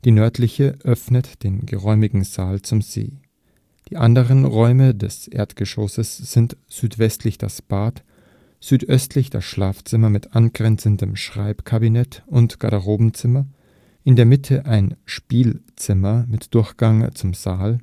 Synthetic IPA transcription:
d̥iːnœɐtʰlɪçəʔœfnətd̥eːnɡəʁɔʏmɪɡŋ̩zaːlt͡sʊmzḛː | d̥iːʔandəʁənʁɔʏmədɛsʔḛːɐtɡ̥əʃosəsz̥ɪnt | z̥yːtv̥ɛstʰlɪçd̥a̰sb̥aːt | z̥yːtʔœstʰlɪçd̥a̰sʃlaːft͡sɪmɐmɪtʔanɡʁɛnt͡səndəmʃʁ̥a̰ɪpkʰabinɛtʊntɡ̥a̰ɾaʁoːbm̩t͡sɪmɐ | ʔɪndeːɐmɪtʰəʔaɪnʃpiːlt͡sɪmɐmɪtd̥ʊɐçɡ̥aŋt͡sʊmzaːl

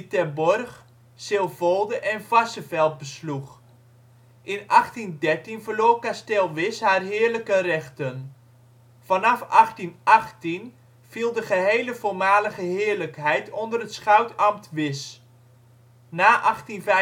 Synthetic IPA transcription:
tɛbɔrχ | sɪlˠvolˠdəʔɛnvasəvɛlˠt̚bəslux | ʔɪnʔɑχtindɛrtinvərloːkastelˠʋɪshaːrɦɪːərləkərɛxtən | fanɑfɑχtinɑχtin | v̥ilˠdəχəɦejləvoːɹmaːləɣəɦɪːərləkɦɛjtʰɔndərətsχawtɑmtʋɪs | naːʔɑχtinvɛ

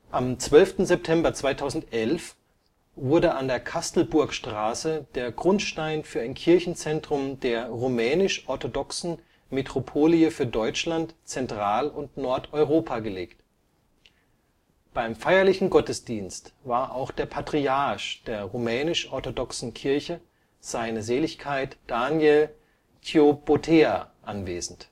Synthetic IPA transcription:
ʔamt͡sv̥œlftn̩zɛp̚tʰɛmbɐt͡sv̥aɪtʰaʊzn̩tʔɛlf | v̥ʊɐdəʔandeːɐkʰastl̩bʊɐkʃtʁ̥aːsəd̥eːɐɡʁʊntʃtaɪnfyːɐaɪnkʰɪɐçn̩t͡sɛntʁ̥ʊmdeːɐʁomɛːnɪʃʔɔɐtodɔksn̩ | metʁ̥opʰoːliəfyːɐdɔʏt͡ʃlantt͡sɛntʁ̥aːlʊntnɔɐtɔʏʁoːpʰaɡəleːkt | b̥aɪmfaɪɐlɪçn̩ɡɔtəsd̥iːnstvaːɐʔa̰ʊxd̥eːɐpʰatʁ̥iaɐʃd̥eːɐʁomɛːnɪʃʔɔɐtodɔksn̩kʰɪɐçə | z̥aɪnəzeːlɪçkʰaɪtd̥aːnjɛl | tʰeobotʰeːa̰ʔanvḛːzn̩t

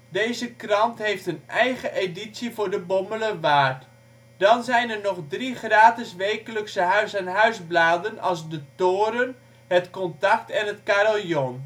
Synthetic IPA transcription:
dejzəkrɑntɦejftɦənɛjχəʔeditsivʊːɹdəbɔmələʋaːrt | d̥ɑnzɛjnəɹnɔχdriχraːtəsʋejkələksəɦœɥsanɦœɥzblaːdənɑlˠzdətoːɾən | ɦətkɔntɑktɛnɦətkaɾolˠjɔn

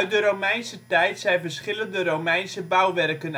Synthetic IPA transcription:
œɥt̚dəɾowmɛjnsətɛjtsɛjnvərsχɪləndərowmɛjnsəbœwʋɛrkən

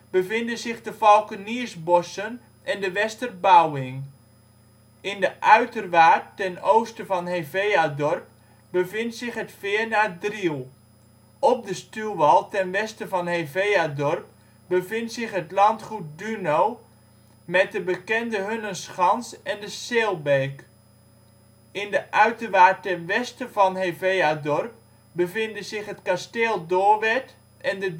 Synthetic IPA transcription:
b̥əvɪndənzɪχdəfɔlˠkəniəsbɔsən | ʔɛndəʋɛstərbawɪŋ | ɪndəʔœɥtərʋaːttɛnowstəvɑnɦevejadɔrp̚ | bəvɪntsɪχɦətfɪərnaːdrilˠ | ɔp̚dəstylˠʋɑlˠtɛnʋɛstəvɑnɦevejadɔrp̚ | bəvɪntsɪχɦətlɑntχut̚dynow | mɛt̚dəbəkɛndəɦønənsχɑnsɛndəseːlˠbeːk | ɪndəʔœɥtəʋaːtɛnʋɛstəvɑnɦevejadɔrp̚ | bəvɪndəzɪχɦətkasteːlˠdoːɹʋɛt | ʔɛndə

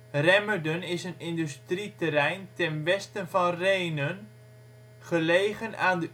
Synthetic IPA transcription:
rɛməɹdənɪsənɪndystritəɾɛjntɛnʋɛstənvɑnrejnən | χəlejχənaːndə

